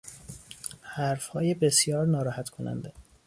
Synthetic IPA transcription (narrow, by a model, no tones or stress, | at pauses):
hæɾfhɒːjebesjɒːɾnɒːɾɒːhæt̪kʰonæ̰nd̪e